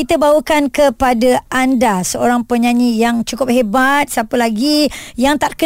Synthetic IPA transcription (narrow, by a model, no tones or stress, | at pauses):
it̪əbawəkankəpadaʔandasəoɾaŋpəɲãɲijaŋt͡ʃukʊp̚hebat̪̚sapəlaɡijaŋt̪aʔkə